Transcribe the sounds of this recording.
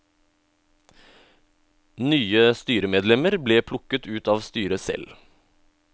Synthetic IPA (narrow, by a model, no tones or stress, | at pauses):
nyːəst̪yːɾəmeːd̪lɛməɾbleːpʰlʊkət̪ʉːt̪ɑːʋst̪yːɾəsɛ̰l